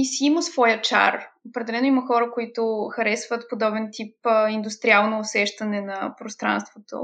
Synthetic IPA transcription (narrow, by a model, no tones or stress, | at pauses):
isiiməsvɔjət͡ʃa̰ropɾɛd̪ɛlɛnoiməxɔɾəkoit̪ʊxɐɾɛsvət̪pod̪ɔbɛnt̪ipind̪ust̪ɾialˠnoːsɛʃt̪ɐnɛnɐpɾost̪ɾa̰nst̪vot̪o̰